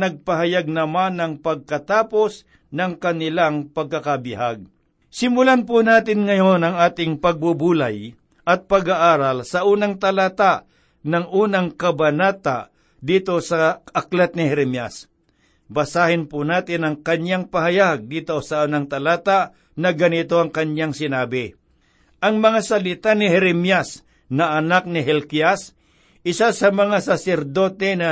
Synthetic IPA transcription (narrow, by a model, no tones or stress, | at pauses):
nɐɡ̚pɐɦajaɡ̚nɐmanɐŋpɐɡ̚kɐt̪aːpo̞s | nɐŋkɐnɪlaŋpɐɡ̚kakabɪhaɡ̚ | sɪmʊlanpʊnaːt̪ɪnŋɐjonɐŋaːt̪ɪŋpɐɡ̚bʊbuːlaj | ʔɐt̪̚pɐɡaʔaːɾalsɐʔuːnɐŋt̪ɐlaːt̪aʔ | nɐŋʔuːnaŋkɐbɐnaːt̪a | d̪iːt̪o̞sɐɐklat̪̚nɪhɛɾɛmjas | bɐsaːhɪnpʊnaːt̪ɪnɐŋkɐɲjaŋpahajaɡ̚d̪iːt̪osɐʔunaŋt̪ɐlaːt̪a | nɐɡɐnɪt̪oɐŋkɐɲjaŋsɪnaːbɪ | ʔɐŋmɐŋasɐlɪt̪anɪhɛɾɛmjas | nɐʔɐnak̚nɪɦɛlkias | ɪsasɐmɐŋasasɛɾd̪oːt̪ɛnɐ